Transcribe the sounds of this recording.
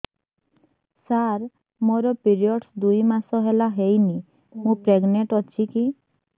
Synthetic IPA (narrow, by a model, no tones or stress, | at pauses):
saɾ | moɾɔpiɾiɔɖsd̪ujmasɔɦelaɦejni | mũpɾeɡneʈɔt͡ʃʰiki